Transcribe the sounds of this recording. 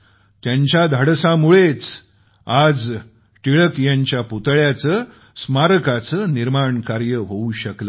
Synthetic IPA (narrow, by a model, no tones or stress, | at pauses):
t̪jaɲt͡ɕad̪ʱəɽsamuɭet͡s | ad͡z | ʈiɭəkjaɲt͡ɕjaput̪ɭjat͡səː | smaɾəkat͡səːniɾmaɳkaɾjəɦouɕəklə